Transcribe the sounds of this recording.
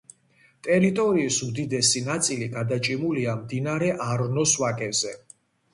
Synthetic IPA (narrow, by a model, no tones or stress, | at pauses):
t̪ʼɛɾit̪ʼɔɾiːsud̪id̪ɛsinat̪sʼiliɡad̪at͡ʃʼimuliamd̪inaɾɛʔaɾnɔswakʼɛvzɛ